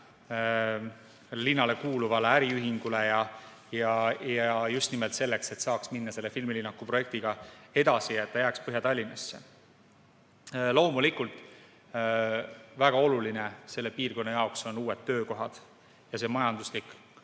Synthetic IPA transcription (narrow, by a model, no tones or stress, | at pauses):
linːɑle̞kuːluvɑleæɾiyɦiŋɡ̥ule̞jɑ | jɑjɑjust̪nimelt̪se̞lːe̞kse̞t̪sɑːksminːɑse̞lːefilmilinːɑkːˑupɾro̞je̞k̚t̪iɡ̥ɑe̞d̪ɑsiɑet̪ːɑjæːkspɤɦjɑt̪ɑlʲːinɑsːḛ | lo̞ːmulʲikult̪ˑ | væɡ̥ɑo̞lulinese̞lːe̞piːrko̞nːɑjɑokso̞nuːe̞t̪ːø̞ːko̞ɦɑd̪̥ | jɑse̞mɑjɑnd̪̥uslik